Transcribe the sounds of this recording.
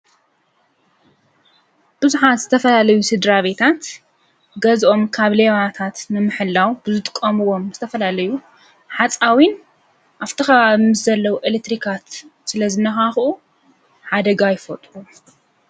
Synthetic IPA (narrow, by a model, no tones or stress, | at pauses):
b̥ɨzuħat̪zɨt̪ʰɐfɐlalɐjusɨd̪ɾaβe̞t̪ʰat̪ | ɡɐzʔo̞mkʰaβleβat̪ʰat̪nɨmɨħɨlːawbɨzɨt̪ʼɨkʼːɐmɨwo̞mzɨt̪ʰɐfɐlalɐju | ħat͡sʼawin | ʔaβt̪ʰɨxɐβaβimɨszɐlːɐwuʔelek̚t̪ɾikʰat̪sɨlɐzɨnːɐxaxʔu | ħad̪ɐɡajɪfot̪ʼlu